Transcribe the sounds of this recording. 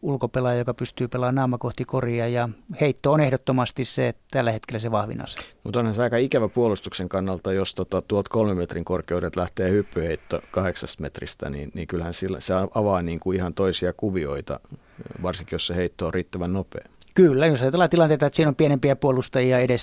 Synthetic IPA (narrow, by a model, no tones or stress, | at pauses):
ulkopelɑjɑjokɑpyst̪yːpelˑɑːnnɑumɑkoht̪ikoriɑjɑheit̪ːoːnehdot̪ːomɑst̪isset̪ælːæhet̪kelːæseʋɑhʋḭnɑ̰se̥mut̪onhænseɑikɑikæʋæpuolust̪ukseŋkɑnːɑlt̪ɑjost̪ot̪ɑt̪uolt̪kolmemmet̪riŋkorkeudet̪læht̪eːhypːyheit̪ːokɑheksɑst̪met̪rḭst̪æ̰nḭːnniːŋkylhænsilːseɑɑʋɑːniːŋkuihɑnt̪oisiɑkuʋio̰it̪ɑ̰ | ʋɑrsiŋkijosseheit̪ːoːriːt̪ːæʋænnopḛːkylːæjosɑit̪ɑlɑt̪ilɑnt̪eit̪ɑet̪siːnompienempiæpuolust̪ɑjiɑedes